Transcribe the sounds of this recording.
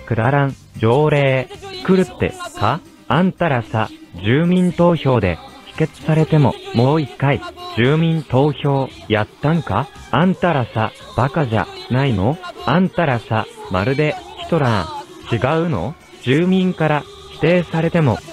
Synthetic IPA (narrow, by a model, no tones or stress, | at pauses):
kɯ̟d̪aɾãŋ | d͡ʑo̞ːɾe̞ːsɨ̥kɯ̟ɾɯ̟t̪ːe̞̰kʰa | ãnt̪aɾasad͡ʑɨːmʲĩnt̪o̞ːço̞ːd̪e̞̰çi̥ke̞t͡sɨ̥saɾe̞t̪e̞mo̞̰mo̞ːikaid͡ʑɨːmʲĩnt̪o̞ːçʲo̞ː | jat̪ːãŋka | ãnt̪aɾasa | b̥akaʑa̰naino̞ãnt̪aɾasamaɾɯ̟d̪e̞çi̥t̪o̞ɾã | t͡ɕiɡaɯ̟no̞̰ | d͡ʑɨːmʲĩŋkaɾa | çi̥t̪e̞ːsaɾe̞t̪e̞mo̞̰